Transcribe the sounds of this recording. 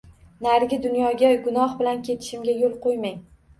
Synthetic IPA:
naɾɡʲɪd̪ʊnjɒɡʲaɡʊnɒhbɪlankʲʰe̞t̪ʰɪ̥ʃɪmɡʲajolˠqojmaŋ

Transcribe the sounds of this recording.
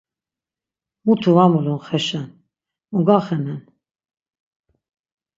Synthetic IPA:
mut̪ʰuvamulunχɛʃɛn | muɡaχɛnɛn

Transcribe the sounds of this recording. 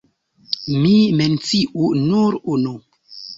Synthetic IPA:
miment͡siʔunuɾuno

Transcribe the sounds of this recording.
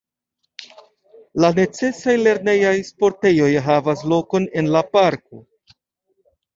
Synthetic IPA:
lane̞t͡se̞sajle̞ɾne̞jajspo̞ɾte̞jo̞jɦavaslo̞ko̞ne̞nlapaɾko̞

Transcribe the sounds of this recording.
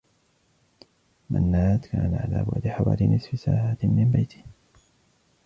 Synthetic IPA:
mʔanːaːt̪kaːnaʕalaːbʊ̰ʕd̪ɪħawa̰ːlinʔɪsfisaːʕat̪mɪmbajt̪ʰɪ̥

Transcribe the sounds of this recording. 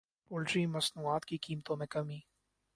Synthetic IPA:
pʊlɖɾiːmɐsnuaːt̪kikiːmt̪omɛkɐmiː

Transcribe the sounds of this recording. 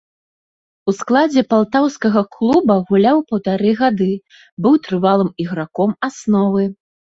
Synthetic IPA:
usklˠad͡zʲɛpalˠt̪awskɐɣɐklˠubɐɣulʲawpɐwt̪aɾɨɣad̪ɨ | bɨwt̪ɾɨvalˠɨmiɣɾakɔmasnɔvɨ

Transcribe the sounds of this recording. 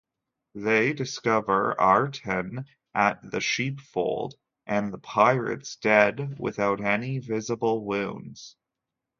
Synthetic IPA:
ðeɪdɨskʌvə˞ɑɹtʰɨ̃n | ʔɨt̪̚ðɨʃipfo̰ʊlˠd | ʔɨ̃nðəpʰaɪɹɨ̰tsd̥ɛdwɪ̰θaʊɾɛnivɪzəbl̩ˠwʉ̃ʊ̃nz̥

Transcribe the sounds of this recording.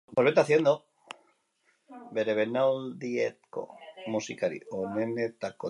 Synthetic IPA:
poβet̪aθjend̪o | beɾeβenawld̪iet̪̚ko̰musikaɾḭonenet̪ako

